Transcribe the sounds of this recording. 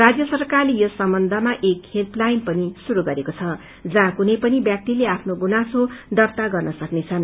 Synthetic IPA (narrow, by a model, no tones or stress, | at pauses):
rad͡zjʌsʌrkarlejosʌmbʌnd̪ʱʌmaʔekhet̪lajnpʌnisuɾuɡʌɾekot͡sʰʌ | d͡zʌɦãkunʌjpʌnibjak̚t̪ileapʰnoɡunasod̪ʌrt̪aɡʌrnʌsʌknet͡sʰʌn